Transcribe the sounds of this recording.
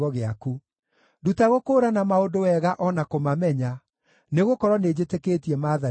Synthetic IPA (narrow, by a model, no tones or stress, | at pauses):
ɔɣeaku | dutaɣokoːɾanamaodowɛɣaʔɔnakomamɛɲa | neɣokɔɾɔned͡ʑetekeːtiɛmaːða